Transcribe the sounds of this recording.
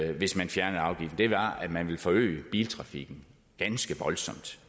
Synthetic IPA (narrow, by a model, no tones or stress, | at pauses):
ʋe̝smænfjæɐnð̩ˠɑ̈ʊɡ̥ifd̥n̩d̥e̝ʋɑ̈æ̥mænʋe̝lfɒ̽ø̰ːɪəb̥ḭːlt͡sʰʁɑ̈fiɡ̥n̩ | ɡ̥ænsɡ̥əʋɒ̽lsɒ̽m̰d̥